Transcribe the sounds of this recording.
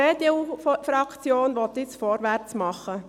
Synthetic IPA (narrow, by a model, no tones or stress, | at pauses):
ed̪eufɾɑkʰt͡sjoːnʋɔt̪ːɪt͡sfɔɾʋæɾt͡smɑχə